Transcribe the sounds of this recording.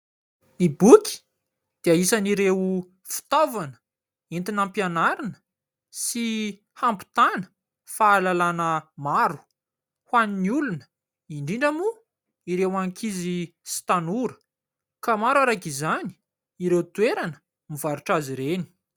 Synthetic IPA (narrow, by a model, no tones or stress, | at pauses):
nibuki̥ | d̪̥eaisaniɾew | fi̥t̪ovanə̥ | int̪inampjanaɾinə̥ | si | hampu̥t̪anə̥ | faːlalanəmaɾu̥ | hwaniniulunə̥ | iɳɖ͡ʐiɳɖ͡ʐamu | iɾewaŋkʰizisi̥t̪anuɾə̥ | kamaɾwaɾakizani̥ | iɾewt̪weɾanə | mivaɾuʈ͡ʂaziɾeni̥